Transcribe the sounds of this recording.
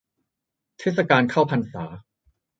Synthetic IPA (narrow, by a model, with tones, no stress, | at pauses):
t̪ʰeː˦˥˩t̪̚sa˧kaː˧nkʰaː˥˩wpʰa˧nsaː˩˦